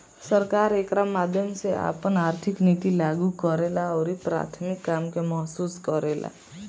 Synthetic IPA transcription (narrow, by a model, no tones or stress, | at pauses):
səɾkaːɾekɾamad̪ʱjəmseʔa̰pənaːɾt̪ʰɪknit̪ilaɡukɔɾelaɔːɾipɾa̰t̪ʰmɪkːamkemɔɦsuːskɔɾela̰